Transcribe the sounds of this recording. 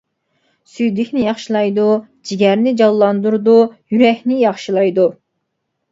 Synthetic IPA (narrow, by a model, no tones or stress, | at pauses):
syjd̪ɪkʲnɪjɑχʃilˠɑjd̪ud͡ʒiɡʲɛɾnɪd͡ʒɑlˠːɑnd̪uɾd̪ujyɾɛkʲnɪjɑχʃilˠɑjd̪u